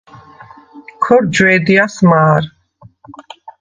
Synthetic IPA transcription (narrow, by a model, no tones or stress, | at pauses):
kʰɔɾd͡ʒwɛːd̪iasmaːɾ